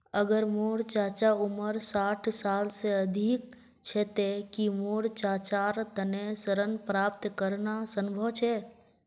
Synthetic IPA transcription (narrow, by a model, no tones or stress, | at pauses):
əɡəɾmoːɽt͡ʃaːt͡ʃaʊməɾsaːʈʰsaːlseəd̪ʱik̚ | t͡ʃʰet̪ekimoːɽt͡ʃaːt͡ʃaːɾt̪ənesəɾənpɾaːp̚t̪kəɾnasənbʱəʋt͡ʃʰeː